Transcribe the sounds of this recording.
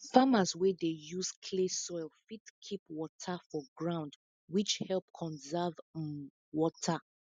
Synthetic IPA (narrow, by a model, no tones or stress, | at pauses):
famaswɛdejuskʰlesɔɪlfitkʰipwɔtʰafɔɡɹãʊ̃nd | wit͡ʃhɛlˠp̚kʰɔ̃nzɛv | wɔtʰa